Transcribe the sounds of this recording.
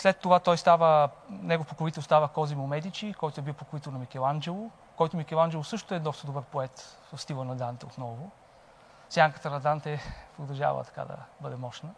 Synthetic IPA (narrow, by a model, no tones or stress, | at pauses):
slɛt̪ːovat̪ɔjst̪avənɛɡofpokovit̪ɛlˠst̪avəkɔzimomɛd̪it͡ʃikɔjt̪ʊɛbilˠpokovit̪ɛlˠnɐmikɛlˠand͡ʒɛlˠʊ | kɔjt̪ʊmikɛlˠand͡ʒɛlˠʊsɤʃt̪oɛd̪ɔst̪əd̪obɤɾpoɛt̪səst̪ilˠənɐd̪ant̪ɛot̪nɔvʊ | sjaŋkət̪əɾɐd̪ant̪ɛpɾod̪ɐʒa̰və̰t̪ɐ̥ka̰d̪ɐ̰bɤd̪ɛmɔʃnə